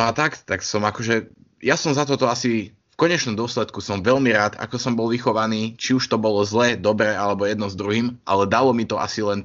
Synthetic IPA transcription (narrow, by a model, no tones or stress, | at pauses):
nat̪akt̪aksɔmakɔʒɛ | jasɔmzat̪ɔt̪ɔasi | fkɔɲɛt͡ʃnɔmd̪ʊɔslɛt̪kusɔmʋɛʎmiɾaːt̪a̰kɔsɔmbɔlʋixɔʋaniːt͡ʃiuʃt̪ɔbɔlɔzlɛd̪ɔbɾɛːalɛbɔjɛd̪nɔzd̪ɾuɦiːmʔa̰lɛd̪alɔmit̪ɔʔa̰silɛn